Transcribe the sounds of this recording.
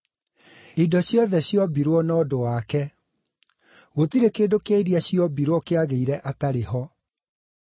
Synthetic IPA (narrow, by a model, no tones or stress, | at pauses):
idɔɕjɔðɛɕjɔbiɾwɔnɔːdowakɛ | ɣotiɾekeːdokeiɾiaɕjɔbiɾwɔkeaɣeiɾɛʔataɾehɔ